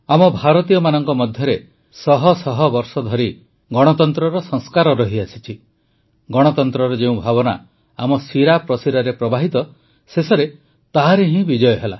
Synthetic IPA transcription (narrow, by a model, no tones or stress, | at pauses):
amɔbʱaɾɔt̪ijɔmanɔŋkɔmɔd̪ʱjɔɾe | sɔɦɔsɔɦɔbɔɾsɔd̪ʱɔɾi | ɡɔɽ̃ɔt̪ɔnt̪ɾɔɾɔsɔŋskaɾɔɾɔɦiasi̥t͡ʃʰi | ɡɔɽ̃ɔt̪ɔnt̪ɾɔɾɔd͡ʒeũbʱabɔna̰ | amɔsiɾapɾɔsiɾaɾepɾɔbaɦit̪ɔ | sesɔɾe | t̪aɦaɾeɦĩbid͡ʒɔjɔɦela̰